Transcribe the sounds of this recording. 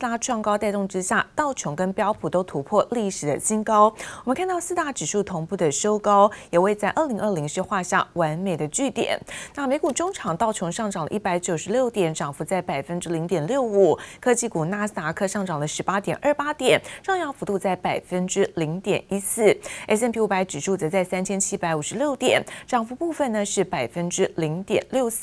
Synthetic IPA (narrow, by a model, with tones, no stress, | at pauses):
a˥ʈ͡ʂʰwɑ˥˩ŋkɑ˥ʊt̪ʊ˥˩ŋʈ͡ʂɻ̩˥ɕja̰˥˩t̪ɑ˥˩ʊt͡ɕʰjʊ˧˥ŋkə˥npjɑ˥ʊpʰu˨˩t̪o˥ʊt̪ʰu˧˥pʰwɔ˥˧li˥˩ʂɻ̩˨˩d̪ə̰˦ɕi˥ŋkɑ˥ʊwɔ˨˩mə˦nkʰa˥˧nt̪ɑ˥˧ʊsɹ̩˥˧t̪a˥˩ʈ͡ʂɻ̩˨˩ʂu˥˩t̪ʰʊ˧˥ŋpu˥˩d̪ə˩ʂo˥ʊkɑ˥ʊjɛ˨˩we˥˧ɪt͡sa˥˧ɪʔə˞˥˩li˧˥ŋə˥˩li˧˥ŋʂ̩˥˧xwa˥˧ɕja̰˥˩wa˧˥nme˨˩ɪd̪ə˦t͡ɕy˥˩t̪jɛ̰˨˩˦nna˥˩me˧˥ɪku˨˩ʈ͡ʂʊ˥ŋʈ͡ʂʰɑ˨˩ŋt̪ɑ˥˩ʊt͡ɕʰjʊ˧˥ŋʂɑ˥˩ŋʈ͡ʂɑ˨˩ŋd̪ə̰˦˧ʔi˥˩pa˧˥ɪt͡ɕjo˨˩ʊʂɻ̩˧˥ljo˥˩ʊt̪jɛ˨˩˦nʈ͡ʂʰɑ˨˩ŋfu˧˥t͡sa˥˩ɪpa˨˩ɪfə˥nʈ͡ʂɻ̩˥li˧˥ŋt̪jɛ˨˩nljo˥˩ʊu˨˩˦kʰɤ˥t͡ɕi˥˩ku˨˩na˥sa˧˥kʰɤ˥˧ʂɑ˥˩ŋʈ͡ʂɑ˨˩ŋd̪ə˦ʂɻ̩˧˥pa˥t̪jɛ˨˩nʔə˞˥˩pa˥t̪jɛ˨˩˦nʂɑ˥˧ŋjɑ˥˩fu˧˥t̪u˥˧t͡sa˥˩ɪpa˨˩ɪfə˥nʈ͡ʂɻ̩˥li˧˥ŋt̪jɛ̰˨˩ni˥sɹ̩˥˩ɛ˥s̬ɛ˥˧npʰi˥u˧˩pa˧˥ɪʈ͡ʂɻ̩˨˩ʂʰu˥˩t͡sɤ˧˥t͡sa˥˩ɪsa˥nt͡ɕʰjɛ˥nt͡ɕʰi˥pa˧˥ɪu˨˩ʂɻ̩˧˥ljo˥˩ʊt̪jɛ̰˨˩˦nʈ͡ʂɑ˨˩ŋfu˧˥pu˥˧fə˥˩nə˩ʂɻ̩˥˩pa˨˩ɪfə˥nʈ͡ʂɻ̩˥li˧˥ŋt̪jɛ̰˨˩nljo˥˧ʊs̩˥˩